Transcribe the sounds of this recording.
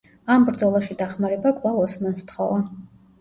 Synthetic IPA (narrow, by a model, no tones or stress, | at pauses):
ambɾd̪zɔlˠaʃid̪aχmaɾɛbakʼvlˠavɔsmanst̪χɔva